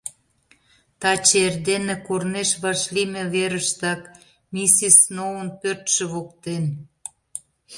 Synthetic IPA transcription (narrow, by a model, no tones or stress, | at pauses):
t̪ɑt͡ɕeerd̪enĕkorneʃβɑʃlimeβeɾəʃt̪ɑk | mʲisisnoənpørt̪ʃĕβokt̪en